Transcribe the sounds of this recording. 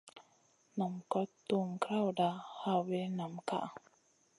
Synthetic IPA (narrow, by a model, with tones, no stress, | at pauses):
na˨mkɔ˦tːo˦˨m˨kɾa˦wda˨ha˦we˦na˨mka̰˦ʔ